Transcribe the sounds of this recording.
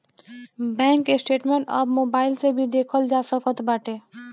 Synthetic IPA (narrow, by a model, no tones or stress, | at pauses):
bɛ̃ŋkːesʈeʈmẽɳʈə̰bmobaɪlsebʱid̪ekʰəld͡ʒasəkət̪baʈe